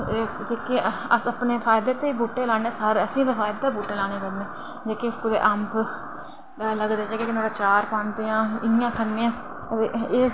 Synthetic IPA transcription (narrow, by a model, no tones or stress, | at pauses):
d͡ʒeːkeːəsəpneːfʰaːɪd̪eːt̪eːibuːʈːeːlaːneːsəɾəsĩːd̪aːfʰaːɪd̪aːbuːʈːeːlaːnẽːkəɾneː | d͡ʒeːkekʊd̪ḛːʔəmp | ləɡd̪eːd͡ʒeːkeːkɪnoːɾaːt͡ʃaːɾpãːnd̪eːãːɪjãːk̪ʰənːeːãː | t̪eːeː